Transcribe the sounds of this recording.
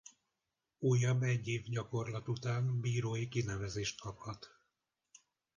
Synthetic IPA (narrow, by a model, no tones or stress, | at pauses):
uːjːɒbːɛɟːeːvɟɒko̞rlɒt̪ut̪aːnbiːɾoːjikinɛvɛzeːʃt̪̚kɒphɒt̪